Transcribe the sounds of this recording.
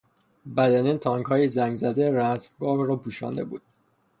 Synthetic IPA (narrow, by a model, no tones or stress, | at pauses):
bæd̪æniːnt̪ʰɒːŋɡhɒːjezæŋɡzæd̪eɾæsmɡɒːhrɒːpʰuːʃɒ̰ːnd̪ḛbuːd̪̥̚